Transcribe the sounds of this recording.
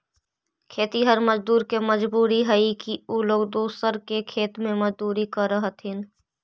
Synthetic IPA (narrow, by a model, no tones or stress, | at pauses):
kʰeːt̪iɦəɾməd͡ʒd̪uːɾkeməd͡ʒbuːɾiɦəikiuːloːɡd̪oːsəɾkekʰeːt̪mẽmɐd͡ʒd̪uːɾikəɾəɦət̪ɦɪn